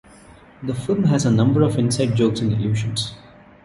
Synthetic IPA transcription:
d̪əfɪlmɦæzənʌ̃mbəɾɔʋɪ̃nsaɪɖ̚d͡ʒoːksɛ̃nɪ̰ljuːʃə̃ns

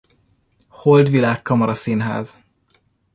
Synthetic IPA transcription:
hold̪ʋilaːkːɒmɒɾɒsinɦa̰ːz̥

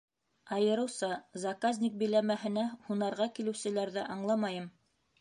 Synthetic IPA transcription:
ɑjɤ̆ɾɤ̆wsɑzɑkazʲnʲik̚bɘ̆jlæmæɦɘ̆næhunɑɾʁɑkilɘ̆wsɘ̆læɾðæʔɑɴlˠɑmɑjɤm

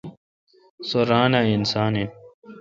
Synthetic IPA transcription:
soɾaːnainsaːnin

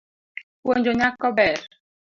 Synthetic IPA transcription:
woɲd͡ʒoɲakːɔbɛɾ

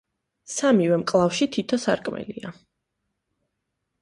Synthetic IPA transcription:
samivɛmkʼlˠafʃit̪ʰit̪ʰɔsa̰ɾkʼmɛ̰lia

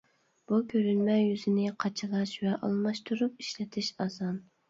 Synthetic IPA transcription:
b̥ukʲʰøɾynmɛjyzɪnɪqʰɑt͡ʃʰɨlˠɑʃvɛʔɑ̰lˠmɑʃt̪ʰuɾup̚i̥ʃlɪt̪ʰɪʃɑzɑn

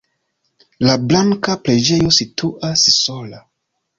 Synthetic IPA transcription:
lablaŋkapɾed͡ʒe̞jo̞sitʰuʔasso̞la

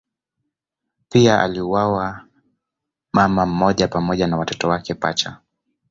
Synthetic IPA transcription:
piaʔa̰liuwawa | mamam̩mɔʄapamɔʄanawatɔtɔwakɛpa̰t͡ʃa

